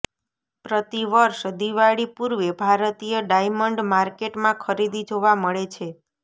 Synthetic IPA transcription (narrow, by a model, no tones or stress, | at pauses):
pɾət̪iʋəɾʃd̪iʋaɽipuɾʋebʱaɾət̪ijəɖajməɳɖmaɾkeʈmãkʰəɾid̪id͡ʒoʋaməɭet͡ʃʰe